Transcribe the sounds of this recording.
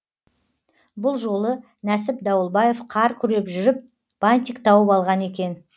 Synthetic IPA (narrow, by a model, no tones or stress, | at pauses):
bʊlˠʒo̞lˠə | næsɪpd̪ɑwəlˠbɑje̞fqʰɑɾkʲʰʏɾe̞pʒʏɾɪp̚ | b̥anʲt̪ʲijkt̪ʰɑwəpɑlˠʁɑne̞kʲe̞n